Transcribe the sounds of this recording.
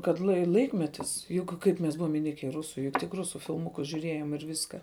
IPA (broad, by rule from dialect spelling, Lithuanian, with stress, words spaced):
kɐt lˠɐɪ ˈlˠɐɪkmʲɛtʲɪs jʊk ˈkɐɪp mʲɛs ˈbʊʋoːm ɪˈnʲɪkʲɛ ɪ ˈrʊsʊ jʊk tʲɪk ˈrʊsʊ fʲɪlˠˈmʊkʊs ʒʲʊˈrʲeːjoːm ɪr ˈʋʲɪskɐ